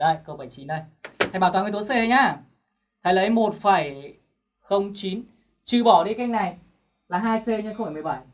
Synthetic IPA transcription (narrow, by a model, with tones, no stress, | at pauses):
ɗə˧˩jkəː˧ɓə˧˩jt͡ɕi˨˦nɗə˧˩j̪ʰɓa˧˩wa˨˧ŋ˧t̪o˨˦se˧ə˧jɲaː˧˩ | t̪ʰa˨˩jlə˨˦jmo˨˩t̚faː˧˩j | xə˧wŋ͡mt͡ɕi˨˦n | t͡ɕɨ˧˩ɓɔ˧˩ɗi˧˦ka˨˧ŋna˨˩j | laː˨˩ɦaː˧jse˧ɲ˧nxfa˧˩jm˨˩˨ɓa˧˩j